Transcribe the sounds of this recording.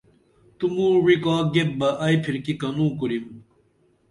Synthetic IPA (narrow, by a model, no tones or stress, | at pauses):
t̪umũːwikaːɡep̚bɐʔɐjpʰiɾkikɐnũːkuɾim